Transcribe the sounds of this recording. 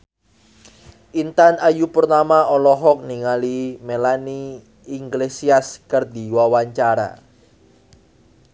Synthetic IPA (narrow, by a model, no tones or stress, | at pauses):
ʔint̪anajupərnamaɔlɔɦɔk̚niŋalimelaniː | ŋɡlesiaskərd̪i̤wawaɲt͡ʃaɾa̰